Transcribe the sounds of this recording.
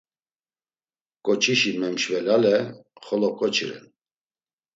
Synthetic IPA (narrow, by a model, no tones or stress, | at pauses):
kʼɔt͡ʃʰiʃimɛmʃvɛlalɛχɔlɔkʼɔt͡ʃʰiɾɛ̰n